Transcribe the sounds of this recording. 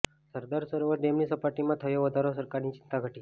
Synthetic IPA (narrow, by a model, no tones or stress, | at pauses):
səɾd̪aɾsəɾʋəɖemnisəpaʈimãt̪ʰəjoʋəd̪ʱaɾosəɾkaɾnit͡ʃɪnt̪aɡʱəʈi